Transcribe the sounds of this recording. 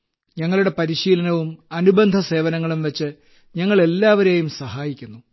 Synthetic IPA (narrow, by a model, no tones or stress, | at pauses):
ɲɐŋːɐɭuɽe̞pɐɾiɕiːlɐnɐʋumɐnubɐnd̪ʱɐse̞ːʋɐnɐŋːɐɭumʋet͡ɕːɨ | ɲɐŋːɐɭe̞lːaːʋɐɾeːjumsɐɦaːjikʲːunːu